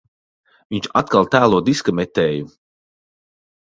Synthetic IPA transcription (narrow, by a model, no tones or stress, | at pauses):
viɲt͡ʃat̪̚kalˠt̪æːlˠuɔd̪iskamɛt̪ɛːju